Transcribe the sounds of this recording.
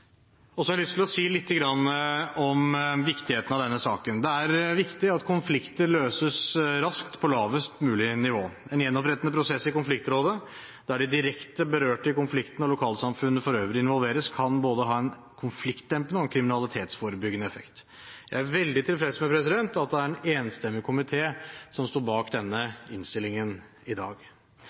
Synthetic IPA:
ɔsɔhɑɾlʏst̪ʰɪlɔsiːlɪt̪ʰːəɡɾɑnːəɔmʋɪkt̪ɪheːt̪ənɑʋd̪ɛnːəsɑ̰ːkənd̪ɛæɾʋɪkt̪ɪɑt̪kʰʊnflɪkt̪əløːsəsɾɑskt̪pʰɔlɑːʋəst̪mʉːlɪnɪʋoːɛnjɛnːɔpɾɛt̪ənəpʰɾʊsɛsːɪkʊnflɪkt̪ɾoːd̪ə | d̪̥æɖɪd̪ɪɾɛkt̪əbəɾøːʈɪkʊnflɪkt̪ənɔlʊkʰɑːləsɑmfʉnːəfɔɾøːʋəɾəɪnʋɔlʋeːɾəskʰɑnboːd̪əɦɑːɛn | kʰʊnflɪkt̪̚d̪ɛmpənəɔɛnkʰɾɪmɪnɑlɪt̪ʰeːt̪sfoːɾəbʏɡːənəɛfɛ̰kt̪ | jæɪæɾʋɛld̪ɪt̪ʰɪlfɾɛd̪əsmɛpʰɾɛs̬ɪd̪ɛnt̪ɑt̪̚d̪ɛæɾɛneːnst̪ɛmːɪkʰʊmɪt̪ʰeːsɔmst̪oːɾbɑːkd̪ɛnːəɪnst̪ɪlːɪŋən | ɪd̪ɑ̰ːɡ

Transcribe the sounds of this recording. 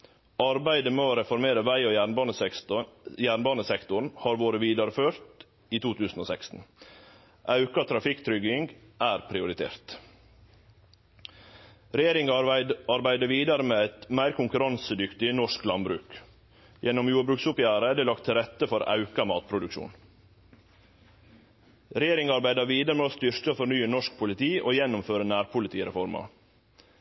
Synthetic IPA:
ɑɾbæɪd̪əmeːoɾɛfɔɾmeːɾəʋæɪonnə | jæːɳbɑːnəsɛkt̪ʊɳn̩hɑːɾʋoːɾəʋiːd̪ɑɾəføːɾt̪ | iːt̪uːt̪ʰʉːsn̩oːsɛkst̪n̩ | ʔɑʉkɑt̪ʰɾɑfɪkt̪ʰɾʏɡɪŋɡ | ʔæːɾpʰɾɪʊɾɪt̪ʰḛːɾt̪ | ɾɛjeːɾɪŋɑɾbæɪd̪əʋiːd̪ɑɾəmeːæɪt̪mæɪɾkʰʊŋkʉɾɑnsəd̪ʏkt̪ɪnɔʂklɑnbɾʉ̰ːk | jɛnɔmjuːbɾʉksʊpjæːɾəd̪ɛːlɑkt̪ʰːɪlɾɛt̪ːəfɔɾʔɑ̰ʉkɑmɑːt̪̚pʰɾʊd̪ʉkʃṵːn | ɾɛjeːɾɪŋɑɾbæɪd̪ɑʋiːd̪ɑɾəmeoːst̪ʏɾkəfɔɾnyːənɔʂk̚pʰʊlɪt̪ʰiːʔoːjɛnʊmføːɾənæːɾpʰʊlɪt̪ʰiːɾɛ̰fɔɾmɑ̰

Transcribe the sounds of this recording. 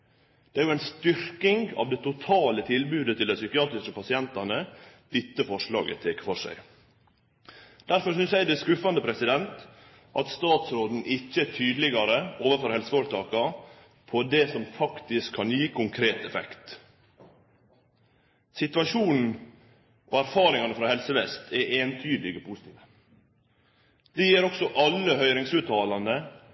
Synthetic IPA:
d̪̥ɛæɾjʊæɪnst̪ʏɾkɪŋɑ̰ʋd̪ɛt̪ʊt̪ʰɑːlət̪ʰɪlbʉːd̪ət̪ʰɪlɛsʏkɪɑːt̪ɾɪskəpɑsɪɛnt̪ɑnəd̪̥ɪt̪ːəfɔʂɭɑ̰ːɡə̰t̪ʰekfɔʂæ̰ɪ | d̪̥æɾfɔɾsʏnsjæɪd̪ɛskʉfɑnd̪əpʰɾɛsɪd̪ɛnt̪ | ʔɑt̪st̪ɑːt̪sɾoːd̪n̩ʔɪçːəæt̪ʰyːd̪lɪɡɑɾəoːʋəfɔɾhɛlsəoːɾt̪ʰɑːkɑ | pʰɔd̪ɛsɔmfɑkt̪ɪskʰːɑnjiːkʊŋkʰɾeːt̪ɛfɛ̰kt̪ | sɪt̪ʋɑʂuːnn̩ | ʔoːæɾfɑːɾɪŋɑnəfɾɑːhɛlsəʋɛst̪ʰɛʔeːnt̪ʰyːd̪lɪɡəpʰusɪ̥t̪ʰiːʋə | d̪̥ɛjiːɾɔksɔʔɑlːəhœʏɾɪŋsʉːt̪ʰɑːlɑnd̪ə

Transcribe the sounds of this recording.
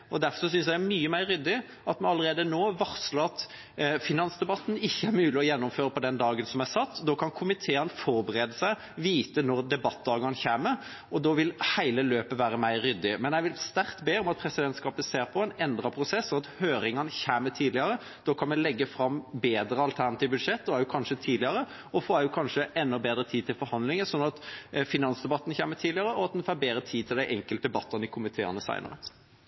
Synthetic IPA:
ʔɔd̪æɾfɔɾss̬ʏnsjæɪæɾmyːəmæɪɾːʏd̪ːɪ | ɑt̪mɛnɑləɾeːd̪ənoːʋɑʁsləɑt̪ | fɪnɑnsd̪ɛbɑt̪ːn̩ɪçːəæɾmʉːlɪɔjɛnːʊmføːɾəpɔd̪ɛnd̪ɑːɡənsɔmæsɑt̪ːd̪oːkʰɑnkʰʊmɪt̪ʰeːənfɔɾbəɾeːd̪əsæɪ | ʋiːt̪ənɔɾd̪ɛbɑt̪̚ːd̪ɑːɡɑnçæːməɾ | ʔɔd̪oːʋɪlhæɪləløːpəʋæːɾəmæɪɾɾʏd̪ːɪmɛnjɛɪʋɪlst̪æɾkt̪beːɔmɑt̪̚pʰɾɛsɪd̪ɛnt̪skɑːpəseːɾpʰɔɛnɛnd̪ɾɑpʰɾʊsɛsːɔɑt̪høːɾɪŋɑnəçæːmət̪ʰiːd̪lɪɑɾə | d̪̥ɔːkʰɑnmɛlɛɡːəfɾɑmbeːd̪ɾəɑlt̪ʰæɾnɑt̪iːʋəbʉd̪ʂɛt̪ːd̪ɔæɾjʊkʰɑnʂət̪ʰiːd̪lɪɑɾə | ɔfɔæɾjʊkʰɑnʂəʔɛnːɔbeːd̪ɾət̪ʰiːt̪ɪlfɔɾhɑnd̪lɪŋənsɔnːɑt̪fɪnɑnsd̪ɛbɑt̪ːənçæːmət̪ʰiːdlɪɑɾəɔɑt̪̚d̪ɛnfæːɾbeːd̪ɾət̪ʰiːt̪ʰɪld̪æɪʔɛŋkəlt̪əd̪ɛbɑt̪ʰːɑnɪkʰʊmɪt̪ʰeːɑ̰nəsæ̰ɪnə̰ɾə

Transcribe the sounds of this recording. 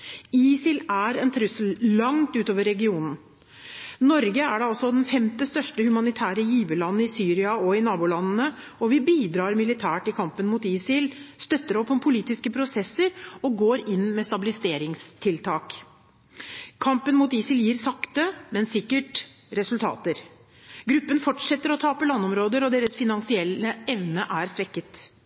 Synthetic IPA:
iːsɪlæɾɛnt̪ʰɾʉsəllɑŋt̪ʉːt̪oːʋəɾːɛɡɪuːnən | nɔɾɡəæɖɛɑlsɔd̪ɛnfɛmt̪əst̪œʂʈəhʉmɑnɪt̪ʰæːɾəjiːʋəlɑnːn̩ɪsyːɾɪɑɔɪnɑːbʊlɑnːn̩ə | ɔʋɪbiːd̪ɾɑːɾmɪlɪt̪ʰæːʈɪkʰɑmpənmuːt̪iːsɪlst̪œt̪ːəɾɔpʰːɔmpʰʊliːt̪ɪskəpʰɾʊsɛsːəɾɔɡoːɾɪnːmɛst̪ɑbɪlɪst̪eːɾɪŋst̪ʰɪlt̪ʰɑːk | kʰɑmpənmuːt̪iːsɪljiːɾsɑkt̪əmɛnsɪkːəʈɾɛsʉlt̪ʰɑ̰ːt̪əɾ | ɡɾʉpːənfɔʈʂɛt̪ːəɾɔt̪ʰɑːpəlɑnːɔmɾoːd̪əɾɔd̪eːɾəsfɪnɑnsɪɛlːəɛʋnəʔæɾsʋɛkːət̪

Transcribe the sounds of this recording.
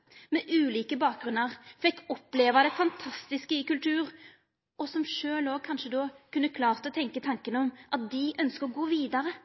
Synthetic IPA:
mɛʔʉːliːkəbɑːk̚ɡʁʉnːəʁfɛkːɔpleːʋɑd̪ɛfɑnt̪ʰɑst̪ɪskəɪkʉlt̪ʰʉːʁ | ʔɔsɔmʂøːlɔːkʰɑnʂəd̪oːkʉnːəkʰlɑːʁt̪ɔt̪ʰɛŋkət̪ʰɑŋkənəɔmʔɑt̪̚d̪ɪʔœnskəʁɔɡoːʋiːd̪ɑɾə

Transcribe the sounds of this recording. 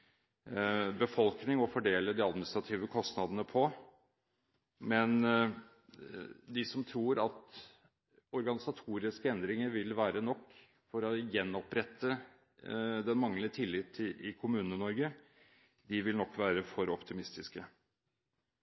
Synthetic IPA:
bəfɔlknɪŋɔfɔɖeːləd̪ɪɑd̪mɪnɪst̪ɾɑt̪ʰiːʋəkʰɔst̪nɑd̪ənəpʰɔ | mɛn | d̪ɪsɔmt̪ʰɾuːɾɑt̪ | ɔɾɡɑnɪsɑt̪ʰuːɾɪskəɛnd̪ɾɪŋəɾʋɪlʋæːɾənɔkː | fɔɾɔjɛnːɔpɾɛt̪ːə | d̪ɛnmɑŋlət̪ʰɪlːɪt̪ʰːɪʔɪkʰʊmʉːnənɔɾɡə | d̪ɪʋɪlnɔkːʋæːɾəfɔɾɔpt̪ʰɪmɪst̪ɪskə

